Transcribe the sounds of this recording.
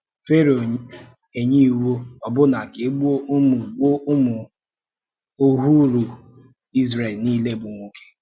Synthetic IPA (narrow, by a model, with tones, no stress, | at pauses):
fe˦ɾo˨ | e˨ɲi˦˨wo˦ɔ˨bʊ˦na˨ke˨e˦ɡ͡bu˦o˦ʔʊ˦mʊ˨ɡ͡bo˦ʔʊ˦mʊ˨ | o˦ɦu˦ɾu˨ | i˦zɾe˨lniː˦le˦˨bʊ˨ŋʷo˨ke̥˦